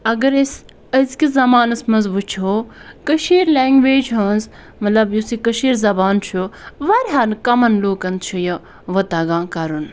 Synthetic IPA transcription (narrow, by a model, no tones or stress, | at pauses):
ɐɡɐɾɐs | ɐzkizɐmaːnɐsmɐnzʋut͡ʃʰoːkəʃiːɾlʲeːŋɡʋeːd͡ʒɦɐnz | mɐt̪lɐbjusikəʃiːɾzɐbaːnt͡ʃʰuʋɐɾʲɦaːnkɐmɐnloːkɐnd̪t͡ʃʰujɐ | ʋɐt̪ɐɡãːkɐɾun